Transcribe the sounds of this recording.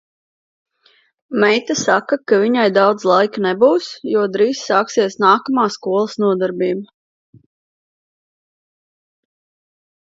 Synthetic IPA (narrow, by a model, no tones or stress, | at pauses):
mɛjt̪asakakaviɲajd̪awd̪zlˠajknɛbuwsjuɔd̪ɾiːssaːksiɛsnaːkamaːskuɔlˠɐsnuɔd̪aɾbiːba